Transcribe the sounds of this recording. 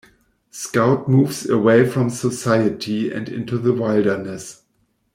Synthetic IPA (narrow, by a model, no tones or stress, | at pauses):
skaʊt̚muːvsəweɪfɹɔ̃msəsaɪɨtʰiɛ̰̃ndɪ̰̃ntuðəwaɪldə˞nəs